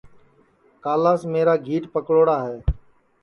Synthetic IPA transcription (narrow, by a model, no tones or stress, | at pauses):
kaːlaːsmeːɾaːɡʱiːʈpəkɽoːɽaːɦeː